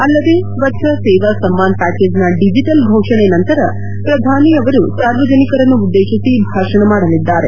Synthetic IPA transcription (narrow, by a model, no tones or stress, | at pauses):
ɐlːɐd̪e | ʋɐtːʃɐseːʋasɐmːaːnpæːkeːd͡ʒnɐɖid͡ʒiʈɐlɡʱoːʂɐɳenɐnt̪ɐɾɐ | pɾɐd̪ʱaːniɐʋɐɾusaːɾʋɐd͡ʒɐnikɐɾɐnːuːd̪ːeːʂisibʱaːʂɐɳɐmaːɽɐlid̪ːaːɾe̞